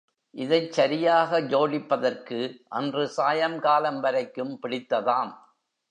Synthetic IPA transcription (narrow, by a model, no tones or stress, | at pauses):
ʔɪðɐɪt͡ʃːɐɾɪjaːɣɐd͡ʒoːɭɪpːɐðɐrkɯʔɐndrɯsaːjɐmkaːlɐmʋɐɾɐɪkːɯmpɪɽɪt̪ːɐðaːm